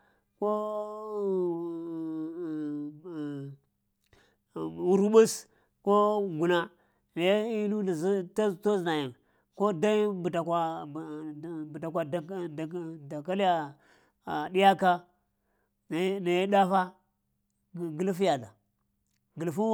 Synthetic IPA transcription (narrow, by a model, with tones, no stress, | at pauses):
ko˦˨ | wu˨ɾu˦ɓu˦s | ko˦ɡu˨na˦ | na˨ji˦nu˦da˨zi˦ta˦to˦zna˨ja˨ŋ | ko˦da˦bu˨ta˨kʷa˨ | bu˨ta˨kʷa˨d | da˨ka˦li˦ja˨ | a˨di˦ja˦ka˦ | n˨˦na˨ji˦da˦fa˦˨ | ɡi˨lfja˨da˨ | ɡi˨lfu˦